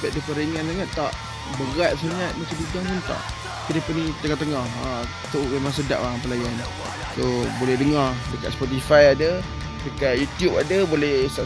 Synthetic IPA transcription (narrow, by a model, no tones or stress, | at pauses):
baʔ̚dəpəɾiŋanlaŋat̪ːaʔ | bəɣat̪̚slaŋat̪̚mat͡ʃadudaŋpunt̪a̰ʔ | k̪iɾəpənit̪əŋɔt̪əŋɔha | t̪oʔmemaŋsəda̰ʔwaŋpəlajan | sobolɛhdəŋɔrdəka̰ʔ̪spɔt̪̬ifajadə | dəkaʔjut̪jupadəbolɛsa